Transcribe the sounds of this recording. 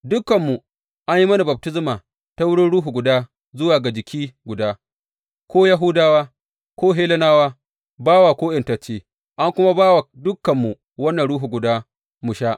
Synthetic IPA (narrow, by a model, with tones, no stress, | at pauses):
dʊ˦kːɐ˨mːu˨ | ʔa˦ɲji˦mɐ˦na˨bɐ˨b̚tɪ˦zmaː˨ | ta˦wʊ˦ɽɪ˦nɽuː˦ɦu˨ɡʷʊ˨daː˦ | zʊ˦waː˨ɡa˨d͡ʒɪ˨kʲʰiː˦ɡʷʊ˨daː˦ | kʰʷoː˦ja˦ɦʊ˦daː˦waː˦ | kʷoː˦ɦeː˦lɐ˦naː˦waː˦ | baː˦waː˨kʷoː˦ʔɪ˨ntɐ˨t͡ʃeː˦ | ʔa˦ŋkʷʊ˦ma˦baː˦wa˨dʊ˦kːɐ˨mːu˨ | wɐ˦nːɐ˨nɽuː˦ɦu˨ɡʷʊ˨daː˦ | mʊ˨ʃaː˦ʔ